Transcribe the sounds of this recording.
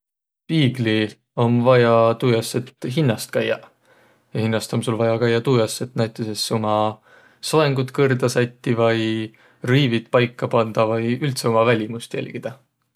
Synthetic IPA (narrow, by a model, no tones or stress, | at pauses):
piːɡ̥li | o̞nvɑjɑt̪uːjɑsːet̪ːɦinːɑst̪̚kæjːɑ | jɑhinːɑst̪o̞msulvɑjɑkæjːɑt̪uːjɑsːet̪næjt̪ːˑese̞sːomɑ | soeŋɡ̥ut̪kɤrd̪ɑsɑjt̪ʲːivɑj | riːvit̪pɑjkːˑɑpɑnd̪̥ɑvɤjylt̪seomɑvælʲimust̪jæ̰lʲɡ̥id̪̥ɑ